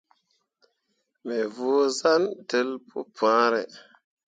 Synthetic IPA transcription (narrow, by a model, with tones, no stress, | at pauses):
me˨voː˨˦za˦nte˨˦lpʰṵ˦pʰãː˦ɾe˨